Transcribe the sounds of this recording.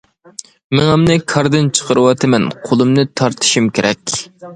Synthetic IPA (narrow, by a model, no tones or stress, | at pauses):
mɪŋɛmnɨkʰɑɾd̪ɨnt͡ʃʰə̥qʰəɾɨwɑt̪ʰɨmɛnqʰolˠɨmnɨt̪ʰɑɾt̪ʰɨ̥ʃimkʲeɾʔɛkʲ